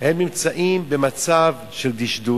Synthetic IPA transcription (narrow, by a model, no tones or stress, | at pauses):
hemnimt͡saʔimbemat͡sav | ʃeld̪iʃd̪u